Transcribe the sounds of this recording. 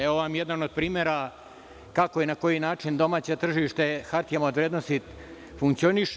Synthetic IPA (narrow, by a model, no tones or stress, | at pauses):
eʋoʋamjed̪anod̪̚pɾiːmeɾa | kako̞enako̞jinaːt͡ʃind̪o̞maːt͡ɕet̪r̩ʒiʃt̪exaɾt̪jemaod̪ʋɾed̪nost̪i | fuŋkt̪sio̞niʃ